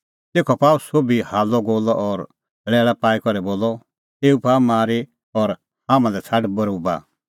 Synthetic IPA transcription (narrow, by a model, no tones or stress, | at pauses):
t̪eːkʰɔpaːusobihaːlɔɡoːlɔʔɔɾ | ɭɛːɭapaːikɔɾɛboːlɔ | eːupaːmaːɾi | ɔɾ | hãːmãlɛt͡sʰaɖbɐɾuba̰ː